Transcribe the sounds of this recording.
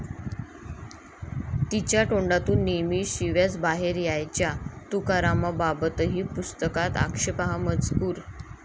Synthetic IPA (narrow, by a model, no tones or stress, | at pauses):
t̪it͡ɕjaʈoɳɖat̪uːnːemiːɕiʋjat͡sbaɦeɾjajt͡ɕjat̪ukaɾamababət̪əɦiːpust̪əkat̪a̰kʂepaɦamət͡skuːɾ